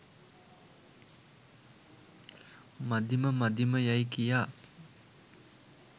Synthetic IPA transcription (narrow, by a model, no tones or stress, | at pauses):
mɐd̪iməmɐd̪iməjɐjkijaː